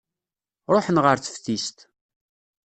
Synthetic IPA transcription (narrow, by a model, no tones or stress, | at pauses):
ɾˤoħənʁəɾθə̥fθist̪